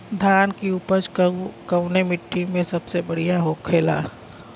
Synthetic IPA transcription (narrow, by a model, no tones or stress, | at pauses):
d̪ʱaːnkiuːpət͡ʃkəʊnemɪʈːimẽsɐbsebəɽijaɦoːkʰːeːla̰ː